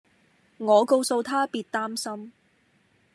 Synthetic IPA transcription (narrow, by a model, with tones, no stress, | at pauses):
ŋɔː˨˧ko˧wso˧wt̪ʰaː˥piː˧t̚t̪aː˥msɐ˥m